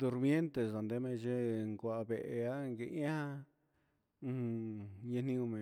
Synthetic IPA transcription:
d̪u˧ɾmje˦nt̪e˨sa˨nd̪e˦mẽ˧t͡ʃe˦ŋkʷa˧˨a˧βe˧ʔe˧a˦ŋɡe˧ʔã˦hã˦˧ | ɲã˧nĩ˧ũ˧mẽ˨

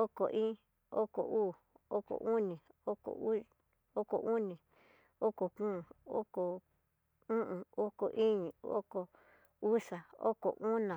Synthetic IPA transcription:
o˦ko˨ʔĩː˦ | o˦ko̰˨ʔuː˦˨ | o˦ko̰˨ʔu˦nĩ˨o˦ko̰˨˦ | o˦ko̰˨ʔu˦nĩ˨ | o˦ko˨kũ˦˨o̰˦ko˨ | ũ˦ʔũ˨o˦ko˨ʔi˦ɲĩ˨o̰˦ko˨ | u˦ʂa˨o̰˦ko̰˨ʔu˦nã˨

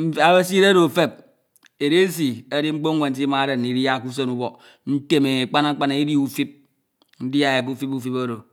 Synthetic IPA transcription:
a˨be˦si˦ɾe˦ɾo˨fe˦p̚ | e˨ɾe˦s̬i˨e˦di˦ŋ͡m̩˦k͡po˦ŋ˦we˨n̩˦s̬i˦ma˨˦ɾe˨n˨i˨ɾja˦˨ku˦s̬e˦nu˦bɔ˨ | n̩˦te˦me˨k͡pa˦na˦k͡pa˦na˨i˦di˦u˦fi˦p̚ | n̩˦di˦a˨e˨k̬u˦fi˦pu˦fi˦po˦ɾo˨

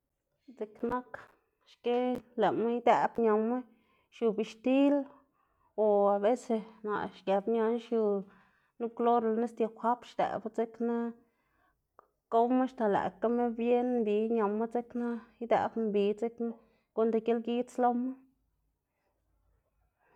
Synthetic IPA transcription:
t͡se˨kna˦k | ʃke˦le˨me˦jd̪æ˨bɲa˨me˦ | ʃju˧bi˨ʃt̪i˦l | o˨a˨be˦se˧na̰˨ʃɡa˨bɲa˧nʃju˧ | nu˦b̚ɡlo˦ɾlne˦st̪ja˧˨xʷa˦pʃd̪æ̰˨bt͡se˦kna˦ | ko˦me˦ʃt̪a˨læ̰˨ka˦me˦bje˦nmbi˨˧ɲa˨ma˦t͡se˦kna˦jd̪ḛ˧bmbi˨t͡se˦ke˦ | ɡu˦nd̪e˧ɡe˦lɡi˦t͡slo˦ma˦

